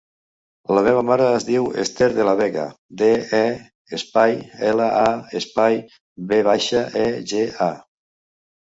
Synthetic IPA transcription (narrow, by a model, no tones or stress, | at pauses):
lameβ̞amaɾaːzðiwḛst̪eɾðelaβɛɣa̰ | d̪eɛ | espajɛlaaespaj | βeβ̞aʃaʔɛʒea